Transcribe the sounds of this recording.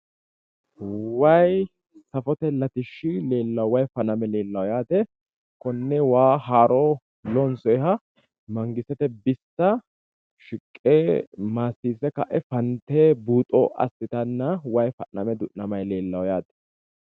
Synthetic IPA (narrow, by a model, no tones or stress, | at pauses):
wɐj | sɐfɔt̪ɛlɐt̪ɪʃːɪle̞ːlːɐwwɐjfɐnɐmɛle̞ːlːɐwjaːt̪ɛ | kɔnːɛwaːɦaːɾɔ | lɔnsɔjɦɐ | mɐŋɡɪsɛt̪ɛbɪsːɐ | ʃɪkʼːeːmaːsːiːsɛkɐ̰ʔɛfɐnt̪eːbuːt̪ʼɔ̰ʔɐ̰sːɪt̪ɐnːɐwɐjfɐnːɐmɛd̪ʊʔnɐmɐjle̞ːlːɐwjaːt̪ɛ̥